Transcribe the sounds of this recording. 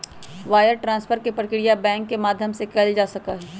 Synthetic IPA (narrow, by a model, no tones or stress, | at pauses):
ʋaːjəɾʈɾãːspʰəɾkepɾəkɾijabɛ̃ːŋkːemaːd̪ʱjəmsekɐld͡ʒaːsɐkaɦɛː